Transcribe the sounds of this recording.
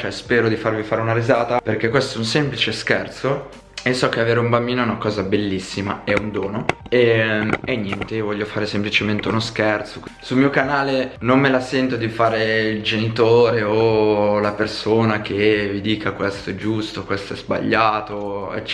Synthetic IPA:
t͡ʃoɛspɛːɾod̪ifarvifaːɾeunaɾizaːt̪aperk̟ekːwest̪ɛunsemplit͡ʃeskɛrt̪so | esːɔk̟eaveːɾeumbambiːnoɛnakɔːzabelːisːimaɛund̪oːnoeenːjɛnt̪evɔʎːofaːɾesemplit͡ʃement̪eunoskɛrt̪soksulmiːokanaːlenomːelasɛnt̪od̪ifaːɾeild͡ʒenit̪oːɾeolapersoːnak̟ʰevid̪iːkakwest̪oɛd͡ʒust̪okwest̪oɛzba̰ʎːaːt̪oɛ̰t͡ʃ

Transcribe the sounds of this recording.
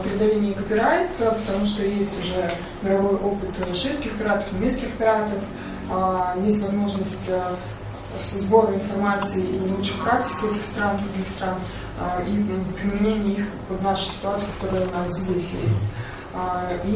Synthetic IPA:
pʲɾʲɪd̪ɐlʲenʲɪjəkəpʲɪɾaɪt̪əpət̪ɐmuʂ̬t̪ojesʲtʲʊʐɛ | mʲɪɾɐvo̞jʔo̞pɨt̪vɐʂiskʲɪxəpʲɪɾat̪ə̥fʲmʲeskʲɪxpʲɪɾat̪əf | jesʲtʲvɐzmo̞ʐnəsʲtʲː | szbo̞ɾəɪnfɐrmat̪sɨɪilˠuʂɨxpɾak̚tʲɪ̥kʲɪɛtʲɪxst̪ɾand̪ɾʊɡʲixst̪ɾan | ipɾʲɪmʲɪnʲenʲɪjəix | pəvnaʂʊ̥sʲɪ̥t̪ʊat̪sɨɪkɐ̥t̪oɾəjənaszʲdʲesʲjḛsʲtʲ | i

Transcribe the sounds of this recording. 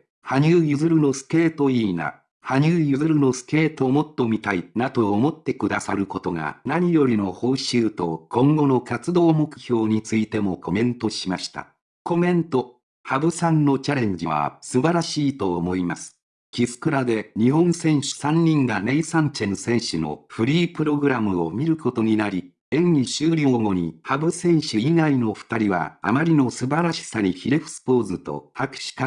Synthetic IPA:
haɲ̟ɨːjɯzɨɾɯ̟no̞sɨ̥ke̞ːt̪o̞iːna̰ | haɲ̟ɨːjɯzɨɾɯ̟no̞sɨ̥ke̞ːt̪o̞mo̞t̪ːo̞mʲit̪ainat̪o̞ːmo̞t̪ːe̞kɯ̟d̪asaɾɯ̟ko̞t̪o̞ɡa̰naɲ̟ijo̞ɾʲino̞ho̞ːɕɨːt̪o̞kʰõ̞ŋɡo̞no̞kat͡sɨd̪o̞ːmo̞kɯ̟̥ço̞ːɲ̟it͡sɨit̪e̞mo̞ko̞mẽ̞nt̪o̞ɕimaɕi̥t̪a̰ | ko̞mẽ̞nt̪o̞ | habɯ̟sãnːo̞t͡ɕaɾẽ̞ɲ̟d͡ʑiβa̰sɨbaɾaɕiːt̪o̞ːmo̞imasɨ̥ | kʲisɨ̥kɯ̟ɾad̪e̞ɲ̟ihõ̞ñsẽ̞ɰ̃ɕɨ̥sãɲ̟ːĩŋɡane̞isãnt͡ɕẽ̞nsẽ̞ɰ̃ɕɨno̞̰ɸɯ̟ɾʲiːpɯ̟ɾo̞ɡɯ̟ɾamɯ̟o̞mʲiɾɯ̟ko̞t̪o̞ɲ̟inaɾʲi | ẽ̞nːiɕɨːɾʲo̞ːŋo̞ɲ̟ihabɯ̟sẽ̞ɰ̃ɕɨiɡaino̞ɸɯ̟̥t̪aɾʲiβa̰a̰maɾʲino̞sɨbaɾaɕi̥saɲiçiɾe̞ɸɯ̟̥sɨ̥po̞ːzɨt̪o̞̰hakɯ̟̥ɕi̥ka

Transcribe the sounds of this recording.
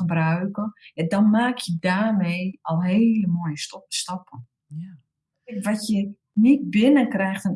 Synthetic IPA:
əbrœɥkəɛdɔnmaːkʰjədaːrmeːɔlˠɦeːləmoːjəstɔpə | kʋɔtjə | nit̚bɪnəkrɛjxtən

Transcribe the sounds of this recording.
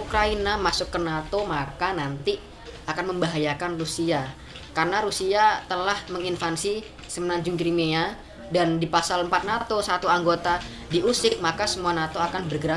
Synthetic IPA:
ukɾainamasʊkːənat̪omakanant̪i | akanməmbaɦajakanrusia | karnaɾusiat̪əlahməŋinfansi | səmənaɲd͡ʒʊŋkɾimea | dandipasaləmpat̪̚nat̪osat̪uaŋɡot̪a | diʔusɪk̚makasəmuanat̪oakanbərɡəɾa

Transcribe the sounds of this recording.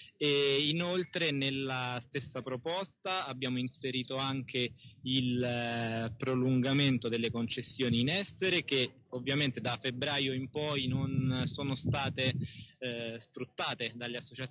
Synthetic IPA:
einolt̪ɾenelːast̪esːapɾopɔst̪aːbːjaːmoinseɾiːt̪oaŋk̟eil | pɾoluŋɡament̪od̪elːekont͡ʃesːjoːniːnɛsːeɾek̟eovːjament̪ed̪afːebɾaːjoimpɔjnonsoːnost̪aːt̪e | sfɾut̪ːaːt̪ed̪alːeasːot͡ʃa

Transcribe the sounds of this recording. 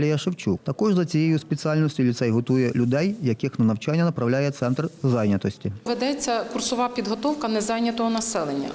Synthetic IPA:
lʲɛjɐʃɪwt͡ʃukt̪ɐkɔʐzɐt͡sʲijɛjusʲpʲet͡s̪ʲialʲnɔsʲtʲʊlʲisɛjɦɔt̪ujɛlʲʊd̪ɛjjɐkixnɐnɐwt͡ʃanʲːɐnɐpɾɐwlʲajɛt̪sɛnt̪rzɑjnʲɐt̪ɔsʲtʲiʋed̪ɛt͡sʲːɐkʊrsɔʋɑpʲid̪ɦɔt̪ɔwkɐnɛzɑjnʲɐt̪ɔɦɔnɐsɛlˠenʲːɐ̰

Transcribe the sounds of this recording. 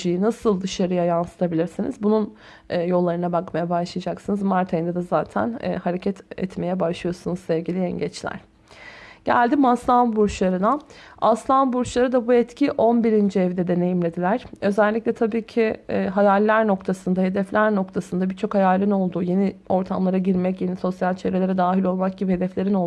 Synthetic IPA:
ijinasɯlˠd̪ɯʃaɾɯjajansɯ̥t̪ʰabilʲiɾsinḭzbununː | jo̞lˠːaɾɯnabakmajabaʃlˠɯjad͡ʒaksɯnɯzmaɾt̪ʰajnd̪ɛd̪ɛzaːt̪ʰæ̰n̰ːhaɾecʰɛt̪ʰɛ̰t̪me̞jɛbaʃlˠɯjo̞sunuzsɛvɟilʲiɛ̰ɲɟɛt͡ʃlʲæ̰ɾ̥ | ɟ̥æ̰lʲd̪imaslˠanbuɾt͡ʃlˠaɾɯna | aslˠanbuɾt͡ʃlˠaɾɯd̪abuɛt̪cʰiʔo̞nbiɾind͡ʒiɛvd̪ɛd̪e̞ne̞jimlʲe̞d̪ilʲæɾ̥ø̞zɛlʲːiclʲɛt̪ʰabiːcʰiɦajalʲːæɾno̞kt̪ʰasɯnd̪aɦe̞d̪ɛflʲæɾno̞kt̪ʰasɯnd̪abiɾt͡ʃʰo̞khajalʲino̞lˠd̪uːje̞nio̞ɾt̪ʰamlˠaɾaɟiɾmɛcje̞niso̞sjalʲt͡ʃʰevɾelʲe̞ɾɛd̪aːɦilʲo̞lˠmak̚ɟibihe̞d̪ɛflʲe̞ɾinolˠ

